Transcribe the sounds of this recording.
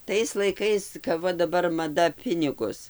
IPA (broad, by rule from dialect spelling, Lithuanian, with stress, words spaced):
ˈtɐɪs lˠɐɪˈkɐɪs kɐp ˈʋɐ dɐˈbɐr mɐˈdɐ ˈpʲɪnʲɪɡʊs